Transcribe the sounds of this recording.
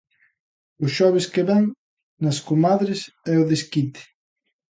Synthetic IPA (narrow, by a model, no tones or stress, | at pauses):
ʊsʃɔβ̞ɪskeβɛŋ | nɐskumaðɾɪsɛʊðeskit̪ɪ̥